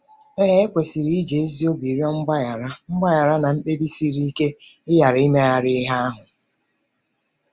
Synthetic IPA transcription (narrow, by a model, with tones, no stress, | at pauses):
e˦ɦe˦kʷe˨si˨ɾi˦d͡ʒe˨e˦zi˦o˦bi˨ɾjɔ˦ŋ͡m̩˦ɡ͡ba˦ja˨ɾa˦ŋ͡m̩˦ɡ͡ba˦ja˨ɾa˦na˨m̩˦k͡pe˦bi˦si˦ɾi˦i˦ke˦ɪ˦ja˨ɾi˦me˦a˨ɾɪ˦ɦa˦a˦ɦʊ˨